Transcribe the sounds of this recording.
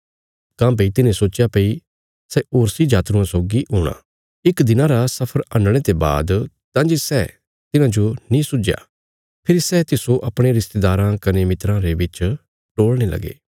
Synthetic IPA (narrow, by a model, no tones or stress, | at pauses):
kãːbeit̪ɪnẽsoːt͡ʃjapei | sɛʔoːɾsid͡ʒaːt̪ɾũãsoːɡiɦoːɽ̃a̰ | ɪkd̪ɪnãɾasɐpʰəɾɐ̃nɽ̃et̪eba̰ːd̪ | t̪ãːd͡ʒesɛ | t̪ɪnãd͡ʒonĩsʊd͡ʒja̰ː | pʰɪɾisɛt̪ɪsoʔɐpɽ̃eɾɪst̪eːd̪aːɾãkɐnemɪt̪ɾãɾebɪt͡ʃ | ʈoːɭɽ̃elɐ̰ɡḛː